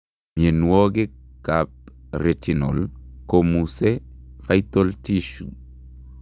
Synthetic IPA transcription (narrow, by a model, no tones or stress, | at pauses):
ɲenwoɡekap̚ɾetinolkomusefajtoltiʃu